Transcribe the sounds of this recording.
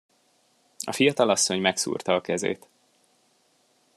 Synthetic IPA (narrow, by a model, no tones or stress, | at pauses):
ɒ̰fijɒt̪ɒlɒsːo̞ɲmɛksṵːrt̪ɒːkɛzḛːt̪